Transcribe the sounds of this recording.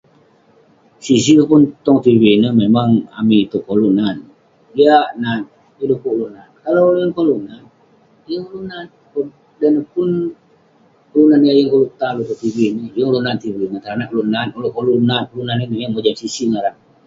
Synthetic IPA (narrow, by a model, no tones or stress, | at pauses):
sis̬ilupʊnt̪ɔŋt̪ivinəmemaŋa̰miit̪uʔkolunan | iaʔnan | ilukuʔlunankalowluəŋkolunan | jəŋulunan | kun | danəpʊn | klunaniajəŋkolut̪alut̪ut̪ivinijəŋlunant̪ivinət̪aɾanaʔkoluʔnanoluʔkolunankulunaninijəŋmod͡ʒamsisiŋaɾaŋ